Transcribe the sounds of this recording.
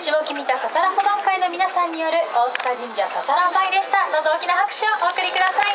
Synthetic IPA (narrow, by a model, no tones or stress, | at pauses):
ɕibo̞kʲimʲit̪asasaɾaɦod̪okaino̞mʲinasãɲ̟ːijo̞ɾɯ̟oːt͡sɨ̥kad͡ʑĩɲd͡ʑasasaɾabaid̪e̞ɕi̥t̪anazooːkʲinahakɯ̟̥ɕioʔoːkɯ̟ɾʲikɯ̟d̪asai